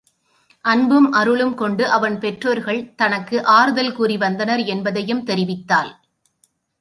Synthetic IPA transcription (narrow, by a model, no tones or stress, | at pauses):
ʔɐnbɯmʔɐɾɯɭɯmkɔɳɖɯʔɐʋɐnpɛʈroːɾɣɐɭt̪ɐnɐkːɯʔaːɾɯðɐlkuːriʋɐnd̪ɐnɐɾɛnbɐðɐjɯmt̪ɛɾɪʋɪt̪ːaːl